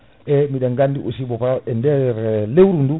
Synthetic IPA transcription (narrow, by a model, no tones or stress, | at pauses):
ɛmiɗeŋɡandiʔusibɔpaɾaɛndeɾɛlewɾundu